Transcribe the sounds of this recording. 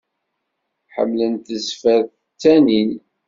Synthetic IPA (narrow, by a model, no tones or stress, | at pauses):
ħə̰mːlənt̪əzfæðθ | t͡sːænin